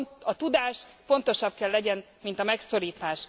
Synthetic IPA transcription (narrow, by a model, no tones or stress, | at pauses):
ɒt̪ud̪aːʃfo̞n̪t̪o̞ʃɒb̚kɛlːɛɟɛn | mint̪ɒmɛkso̞ɾiːt̪aːʃ